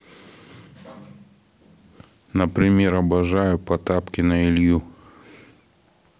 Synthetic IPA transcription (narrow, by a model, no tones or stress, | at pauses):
nəpɾʲɪmʲeɾɐbɐʐajʊpɐt̪apkʲɪnɐɪlʲju